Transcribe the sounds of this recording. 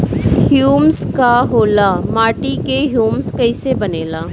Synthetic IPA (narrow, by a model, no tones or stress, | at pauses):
hjuːmskaɦoːlamaːʈikeɦjuːmskɐɪsebɐneːlaː